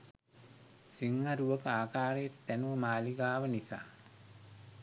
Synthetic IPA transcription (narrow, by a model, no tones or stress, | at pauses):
siŋhaɾuʋəkəaːkaːɾejett̪ænuʋəmaːliɡaːʋənisa̰ː